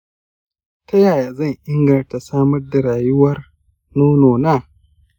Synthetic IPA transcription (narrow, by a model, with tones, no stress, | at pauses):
tɐ˦jaː˨jaː˨zɐ˦˨ɲʔɪ˦ŋɡɐ˨nta˨saː˦mɐ˦rda˨ɽaː˨jʊ˦wɐ˦r | noː˦noː˨naː˦˨